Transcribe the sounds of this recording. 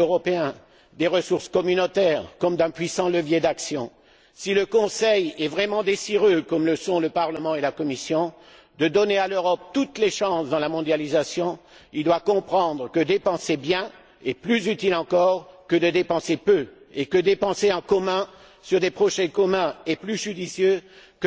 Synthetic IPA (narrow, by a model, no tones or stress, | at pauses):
øʁɔpeɛ̃ | d̪eʁəsuʁskɔmynot̪ɛʁkɔmd̪ɛ̃pɥisɑ̃ləvjed̪aksjɔ̃ | siləkɔ̃sɛjɛvʁɛmɑ̃d̪esiʁøkɔmləsɔ̃ləpaʁləmɑ̃elakɔmisjɔ̃ | d̪əd̪ɔnealøʁɔp̚t̪ut̪leʃɑ̃sd̪ɑ̃lamɔ̃d̪jalizasjɔ̃ild̪wakɔ̃pχɑ̃d̪ʁəkəd̪epɑ̃sebjɛ̃ | eplyzyt̪ilɑ̃kɔʁkəd̪əd̪epɑ̃sepø | ekəd̪epɑ̃seɑ̃kɔmɛ̃ | syʁd̪epχɔʃɛkɔmɛ̃eplyʒyd̪isjøk